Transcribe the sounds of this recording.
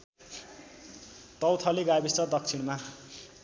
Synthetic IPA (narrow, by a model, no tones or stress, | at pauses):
t̪ʌwt̪ʰʌleɡabist͡sʌd̪ʌk̚t͡sʰiɽ̃ma